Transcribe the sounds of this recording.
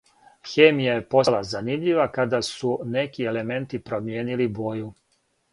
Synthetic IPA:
xeːmijajepo̞lazanimʎiʋakad̪asune̞kie̞le̞me̞nt̪ipɾo̞mje̞ːnilibo̞ju

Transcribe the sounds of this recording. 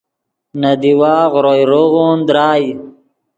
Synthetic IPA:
nad̪iwaːʁɾojɾoɣond̪ɾaːj

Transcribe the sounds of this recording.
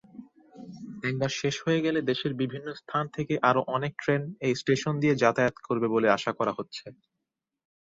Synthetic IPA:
d̪ɛŋbaɾʃeʃhoeɡɛled̪eʃeɾbibʱinːost̪ʰant̪ʰekeʔaɾoʔɔnek̚ʈɾenejsʈeʃond̪ied͡ʑat̪ajot̪koɾbeboleaʃakɔɾaɦotːɕʰe

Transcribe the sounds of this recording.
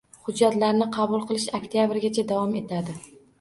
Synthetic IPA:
hʊd͡ʒːat̪laɾnɪqʰɑbʊlˠqʰɨlˠɪʃakʲt̪ʰijabɪɾɡʲat͡ʃʰad̪avɒme̞t̪ʰad̪ɪ

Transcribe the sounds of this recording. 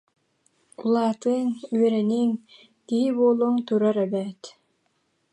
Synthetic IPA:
ulˠaːt̪ɯːŋyœɾɛniːŋ | kiɦiboːlˠuːŋt̪uɾaɾɛbɛːt̪

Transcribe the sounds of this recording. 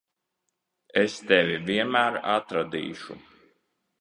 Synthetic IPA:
ɛst̪ɛvʲiviɛmæːɾa̰t̪ɾad̪ḭːʃṵ

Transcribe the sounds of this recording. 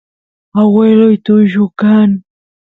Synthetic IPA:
awelʊjt̪ʊʒʊkaŋ

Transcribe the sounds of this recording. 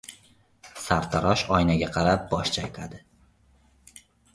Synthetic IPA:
saɾt̪ʰaɾɒʃɒjnaɡʲaqʰɑɾap̚bɒʃt͡ʃʰajt̪ʲʰad̪ɪ

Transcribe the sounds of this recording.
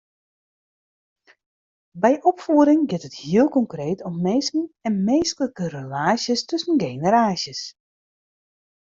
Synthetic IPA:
bɛjʔɔpfuəɾɪŋɡɪtəthiəlˠkɔŋkreːtʰɔmmeːsn̩ɛnmeːstələkəɾəlaːsjəstɵsənɡeːnəɾaːsjəs

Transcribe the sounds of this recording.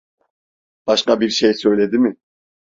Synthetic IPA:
b̥ɑʃqɑbiɾʃejsø̞jlʲe̞d̪imɪ

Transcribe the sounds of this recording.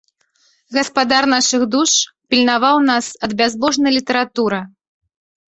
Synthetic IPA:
ɣɐspad̪arn̪aʂɨɣd̪uʂ | pʲilʲnavawnasɐd̪̚bʲazbɔʐnɐjlʲit̪ɐɾat̪uɾɐ

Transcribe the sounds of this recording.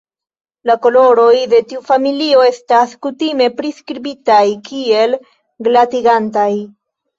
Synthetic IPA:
lako̞lo̞ɾo̞jde̞tiufamilio̞e̞staskutime̞pɾiskɾibitajkʰie̞l | ɡlatiɡantaj

